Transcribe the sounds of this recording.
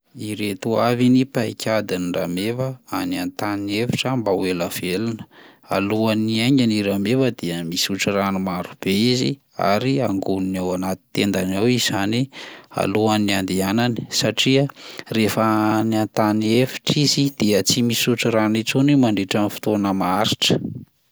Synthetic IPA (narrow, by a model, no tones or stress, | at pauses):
iɾet̪uavinipajkʲʰad̪iniramevəaniant̪aniefi̥ʈ͡ʂəmbawelav̥elinə̥a̰luaniaɲaniɾamevəd̪eəmisuʈ͡ʂiranumaɾub̥eizḭ | a̰ɾiaŋɡununawanat̪i̥t̪end̪anawiz̥ania̰luaniand̪ianani̥saʈ͡ʂiərefəaniant̪aniefi̥ʈ͡ʂizid̪̥eət͡simisuʈ͡ʂiɾanit͡sunimaɳɖ͡ʐeʈ͡ʂanfi̥t̪onəmaaɾiʈ͡ʂə̥